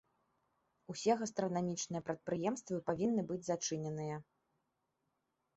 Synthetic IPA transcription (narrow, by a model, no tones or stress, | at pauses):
usʲɛɣɐst̪ɾɐnamʲit͡ʂnɨjɐpɾɐt̪̚pɾɨjɛmst̪vɨpavʲinːɨbɨd͡zʲzat͡ʂɨnʲɛnɨjɐ